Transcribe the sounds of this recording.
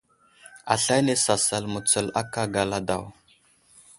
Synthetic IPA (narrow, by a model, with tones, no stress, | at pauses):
a̰˨ɬa˦ne˦sa˨sa˨lmə˨t͡sə˨la˦ka˦ɡa˨la˦da̰˨w